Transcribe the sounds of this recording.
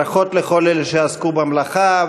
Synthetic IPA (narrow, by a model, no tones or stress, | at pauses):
aχot̪leχo̞leleʃeaskubamlaχa